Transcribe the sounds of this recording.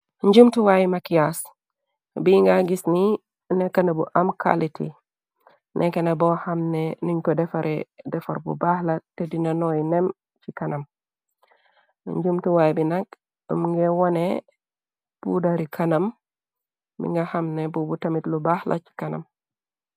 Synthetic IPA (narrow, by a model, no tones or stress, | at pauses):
ɲd͡ʒumtuwajimakijas | biŋɡaɡisni | nɛkːanabuʔamkʰa̰litḭ | nʔɛkanabɔhamnɛniɲkɔdɛfaɾɛdɛfa̰ɾbṵbahlatedinanɔjinɛm | t͡ʃikanam | ɲd͡ʒumtuwajbinak | muŋɡɛwɔnɛ | b̥ṵdaɾikʰanam | mḭŋɡahamnɛbubutamitlubahla̰t͡ʃi̥kana̰m